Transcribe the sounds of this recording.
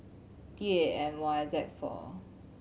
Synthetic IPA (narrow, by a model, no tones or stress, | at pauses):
tieɛ̃mwazɛkfɔ̰